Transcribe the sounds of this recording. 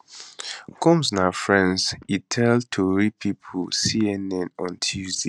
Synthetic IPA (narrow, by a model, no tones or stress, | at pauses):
kʰɔ̃mznafɹɛ̃nzitʰɛltʰuɹipʰipʰolsiɛnɛ̃nɔ̃ntʰizi